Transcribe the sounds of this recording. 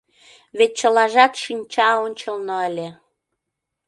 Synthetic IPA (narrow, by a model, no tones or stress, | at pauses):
βet̪̚t͡ɕəlɑʒɑt̪ʃimt͡ɕɑonʲt͡ɕə̆lnoəlʲe